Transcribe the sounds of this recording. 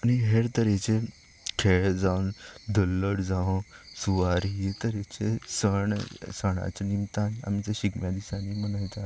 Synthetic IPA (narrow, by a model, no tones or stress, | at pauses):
aniɦeɽt̪əɾet͡ɕe | kʰeɭd͡zaʋnd̪əlːəɽd͡zaʋõsuʋaɾit̪əɾet͡ɕesəɳsəɳ̃a̰t͡senimt̪ana̰miːt͡səɕiɡmjad̪isanimənajt̪a